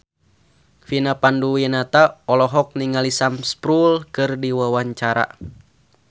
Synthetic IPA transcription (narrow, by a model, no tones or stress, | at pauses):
finapanduwinat̪aɔlɔɦɔk̚niŋalisamspɾulkɨrdiwawaɲt͡ʃaɾa̰